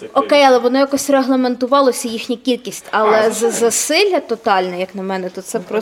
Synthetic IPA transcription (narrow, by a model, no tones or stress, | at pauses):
ɔkɛjɐlˠɛʋɔnɔjɐkɔsʲreɦlˠeme̞nt̪ʊʋɑlˠɔsʲɐjixnʲikʲilʲkʲisʲtʲɐlˠɛzɐzɐsɪlʲːɐt̪ɔt̪ɑlʲnɛjɐknɐmɛnɛt̪ɔsɛpɾɔ